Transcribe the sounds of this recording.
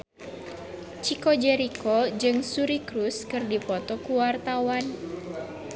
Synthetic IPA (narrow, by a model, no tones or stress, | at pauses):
t͡ʃikɔd͡ʒɛɾikɔd͡ʒɨŋsuɾikɾuskɨrdipɔt̪ɔkuwart̪awan